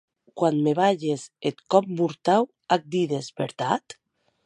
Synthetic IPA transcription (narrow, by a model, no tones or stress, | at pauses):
kwanmeβaʎeset̪kɔp̚muɾt̪aw | ak̚d̪iðezbeɾt̪at̪